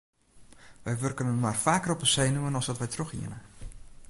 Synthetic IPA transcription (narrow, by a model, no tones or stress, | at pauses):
ʋɛjʋørkənənmarfaːkərɔpənsejnumənɔsdɔtʋɛjtroxḭənə